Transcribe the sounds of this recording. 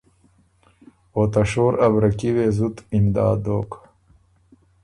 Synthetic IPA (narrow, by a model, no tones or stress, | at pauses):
oːt̪ɐʂoːɾɐbɾɐkiweːzut̪imd̪ɑːd̪oːk